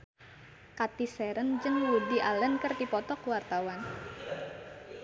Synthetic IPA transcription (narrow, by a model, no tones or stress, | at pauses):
kat̪isɛɾənd͡ʒənwudiʔalənkərt̪ipɔt̪ɔkuwart̪awan